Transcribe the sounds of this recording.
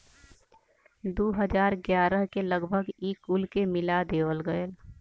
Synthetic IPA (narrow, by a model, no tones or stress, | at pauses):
d̪oːɦəd͡ʒaːɾɡjaːɾəɦkeləɡbʱəɡiːkulkemɪlad̪eːwəlɡəel